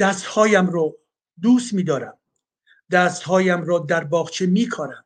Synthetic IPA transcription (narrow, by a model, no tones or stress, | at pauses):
d̪̥æst̪hɒːjæmɾɔː | d̪uːst̪miːd̪ɒːɾæm | d̪æːst̪hɒːjæmɾɒːd̪æɾbɒːɣt͡ʃʰemiːkʰɒːɾæm